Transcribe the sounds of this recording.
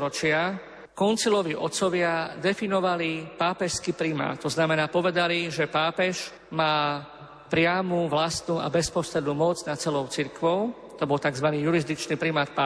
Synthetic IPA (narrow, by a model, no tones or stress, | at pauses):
ɾɔt͡ʃɪa | kɔnt͡silɔʋiʔɔt̪sɔʋɪad̪ɛfinɔʋalipaːpɛʃskipɾima̰ːt̪ɔznamɛnaːpɔʋɛd̪aliʒɛpaːpɛʃ | maː | pɾɪamuʋlast̪nuːa̰bɛspɔsɾɛd̪nuːmɔd͡znat͡sɛlɔʊt͡siɾkʋɔʊ | t̪ɔbɔlt̪aɡzʋaniːjuɾizd̪it͡ʃniːpɾimaːt̪̚pa